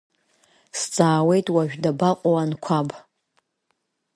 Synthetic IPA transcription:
st͡sʼaːwe̞jtʼwaʒᶣdabaqʷʼowankʷʰab

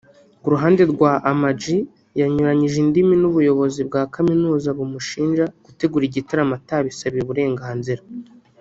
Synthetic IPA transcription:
ɡuɾuɦaːnde̞ɾɡwaʔːmad͡ʒi | jaɲuɾaɲiʒindiminuβujo̞βo̞zibɡaːkaminuːzaβumuʃiːnʒaɡ̥ute̞ɡuɾiɟitaɾamataβisaβieβuɾe̞ːŋɡaːnziɾa

